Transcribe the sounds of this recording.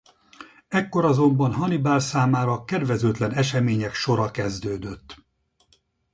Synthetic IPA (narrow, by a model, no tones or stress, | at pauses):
ɛkːo̞ɾɒzo̞mbɒnɦɒnibaːlsaːmaːɾɒkɛd̪ʋɛzøːt̪lɛnɛʃɛmeːɲɛkʃo̞ɾɒkɛzd̪øːd̪øt̪ː